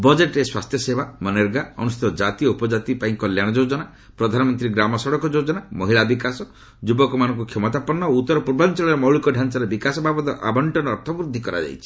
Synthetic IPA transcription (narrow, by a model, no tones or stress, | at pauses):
bɔd͡ʒeʈɾeswast̪ʰjɔsebamɔneɾɡaɔ̰nuset̪ɔd͡ʒat̪iɔupɔd͡ʒat̪ipaĩkɔljaɽ̃ɔd͡ʒod͡ʒɔna | pɾɔd̪ʱanɔmɔnt̪ɾiɡɾamɔsɔɽɔkɔd͡ʒod͡ʒɔnamɔɦiɭabikasɔ | d͡ʒubɔkɔmanɔ̃ŋkukʰjemɔt̪apɔnːɔout̪ːɔɾɔpuɾbant͡ʃɔɭɔɾemɔɦɭukɔɖʱansaɾebikasɔbʱabɔt̪ɔʔa̰bɔɳʈɔnːɾt̪ʰɔbɾud̪ʱːikɔɾa̰d͡ʒa̰jt͡ʃʰi̥